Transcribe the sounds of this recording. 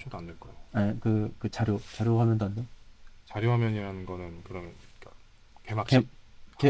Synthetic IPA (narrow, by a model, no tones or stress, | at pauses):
t͡ɕʰidoandeɭk͈ʌaoakɯkɯt͡ɕaɾjot͡ɕaɾjoɦamjʌndoandot͡ɕaɾjoɦamjʌɲiɾanɯnɡʌnɯnkɯɾʌmjʌnka | kemak̚keke